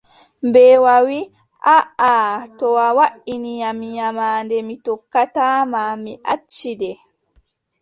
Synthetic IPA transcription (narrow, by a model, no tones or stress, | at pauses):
bɛwawi | ʔaʔatɔwawaɗiniɲamiɲamaːndɛmitɔkːataːmamiʔat͡ʃːidɛ